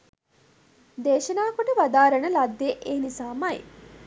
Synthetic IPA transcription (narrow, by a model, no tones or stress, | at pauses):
d̪eːʃɐnaːkoʈəʋad̪aːɾɐnəlɐd̪ːeʔeːnisaːmaḭ